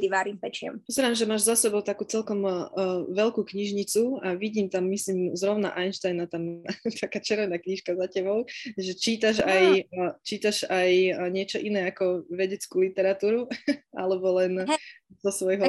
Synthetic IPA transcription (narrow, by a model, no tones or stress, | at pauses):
d̪iʋaːɾimpɛt͡ʃɪɔ̰mpɔzɛɾaːmʒɛmaːʒzasɛbɔʊt̪akuːt͡sɛlkɔmʋɛlkuːkɲiʒɲit͡suaʋiɟiːmt̪amːisliːmzɾɔʊna̰ʔajnʃt̪ajnat̪amt̪ʰakaːt͡ʃɛɾʋɛnaːkɲiʃkazacɛbɔʊʒɛt͡ʃiːt̪aʒajt͡ʃiːt̪aʒajɲɪɛt͡ʃɔʔinɛːakɔʋɛɟɛt͡skuːlit̪ɛɾat̪uːɾua̰lɛbɔlɛn | zɔsʋɔjɦɔ